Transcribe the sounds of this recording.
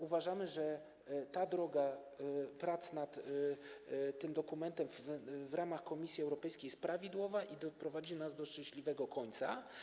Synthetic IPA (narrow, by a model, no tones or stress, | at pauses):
uvaʐamɘʐɛ | t̪ad̪ɾɔɡa | pɾat̪snat̪ | t̪ːɘmd̪ɔkumɛnt̪ɛmvvɾamaxkɔmʲisʲjiɛwɾɔpɛjskʲejɛst̪̚pɾavʲid̪wɔvaʔid̪ɔpɾɔvad͡ʑinazd̪ɔʂt͡ʂɛ̃ɕlʲivɛɡɔkʰɔɲt̪sa̰